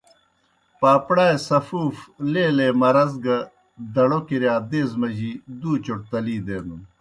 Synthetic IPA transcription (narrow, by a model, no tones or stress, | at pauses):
paːpɽaːesɐfuːfleːleːmɐɾɐzɡɐ | d̪ɐɽokiɾjaːd̪eːzmɐʑid̪uːt͡ɕoʈ̚t̪ɐliːd̪eːnu